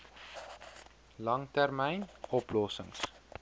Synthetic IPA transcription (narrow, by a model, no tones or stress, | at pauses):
lɐŋtærmɛjnɔplɔsəŋs